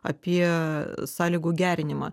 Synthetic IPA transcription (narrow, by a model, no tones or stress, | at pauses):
ɐ̰pʲiɛsɑːlʲiːɡuːɡʲæːɾʲɪnʲɪmɑ̰